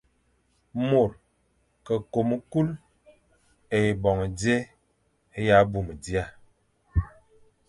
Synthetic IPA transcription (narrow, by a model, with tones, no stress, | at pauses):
mo˨ɾ | kə˨ko˨m˦ku˦l | e˨i˨bɔ˨ŋ˨de˦ | e˦ja˦bu˨m˨di˦a˦˨